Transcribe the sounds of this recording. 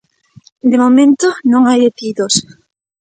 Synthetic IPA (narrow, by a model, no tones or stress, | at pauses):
d̪emomẽnt̪onõŋajet̪iðos